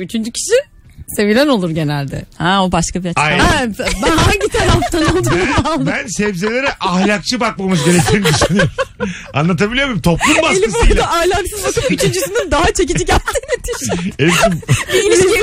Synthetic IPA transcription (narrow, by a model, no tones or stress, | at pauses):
yt͡ʃʰynd͡ʒycʰi̥ʃi | se̞vilʲæno̞lˠuɾɟe̞nælʲd̪ɛ̰hɛobaʃkabiaaabaɲit̪ʰaɾaft̪ʰanalˠd̪ɯamalˠd̪ɯænsɛvze̞lʲe̞ɾɛʔahlʲak̚t͡ʃʰɯbak̚mamɯzɟe̞ɾec̚t̪ʰiːmd̪yʃnɯjɾ | a̰nlˠat̪̬ʰabilʲijomimt̪ʰo̞plˠumbaselʲifaɾlaʔahlʲaksɯzok̪ɯpyt͡ʃʰynd͡ʒysinynd̪aɦat͡ʃʰe̞c̬id͡ʒiɟælʲt̪ʰiːnit̪ʰiʃelʲimiii